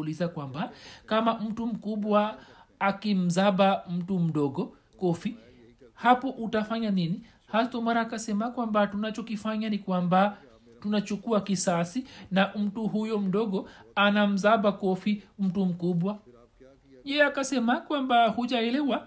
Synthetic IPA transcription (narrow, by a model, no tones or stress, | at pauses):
lizakwambakamam̩tum̩kuɓwaː | kim̩zaɓam̩tum̩ɗɔɡɔ | kɔfi | hapɔʔutafaɲanini | hatɔmaɾaːkasɛmakwambatunat͡ʃɔkifaɲanikwamba | tunat͡ʃukuakisasinam̩tuɦujɔm̩ɗɔɡɔanam̩zaɓakɔfim̩tum̩kuɓwa | ʄɛakasɛmakwambahuʄaɛlɛwa